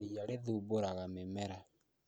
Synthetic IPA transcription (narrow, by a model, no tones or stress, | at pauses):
ijaɾeðuboɾaɣamemɛɾa